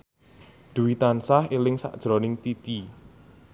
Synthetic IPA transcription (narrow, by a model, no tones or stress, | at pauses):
d̪̥ṳwit̪ansahilɪŋsa̰ʔd̥ʒ̥ɾonɪŋt̪it̪i